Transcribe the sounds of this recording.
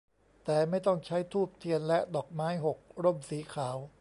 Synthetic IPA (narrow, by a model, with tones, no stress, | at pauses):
t̪ɛː˨˩ma˥˩jt̪ɔ˥˩ŋt͡ɕʰa˦˥jt̪ʰuː˥˩p̚t̪ʰi˧ənlɛ˦˥ʔdɔː˨˩k̚maː˦˥jɦo˨˩k̚ɾo˥˩msiː˩˦kʰaː˩˦w